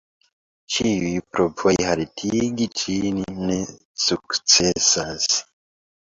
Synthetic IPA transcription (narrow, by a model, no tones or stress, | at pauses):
t͡ʃiwipɾopehaɾitʰiɡit͡ʃʰinine | suksesas